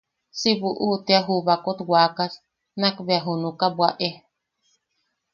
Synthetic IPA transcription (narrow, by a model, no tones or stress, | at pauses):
siβuʔut̪eaɦuβakot̪wakas | nakbeaɦunukabwaʔe